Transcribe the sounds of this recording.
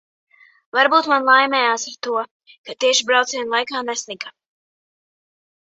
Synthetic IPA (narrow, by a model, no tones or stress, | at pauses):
vaɾbuːt̪manlˠajmʲɛjaːsaɾt̪uɔ | kat̪iɛʃibɾawt̪siɛnlˠajkaːnɛsliɡa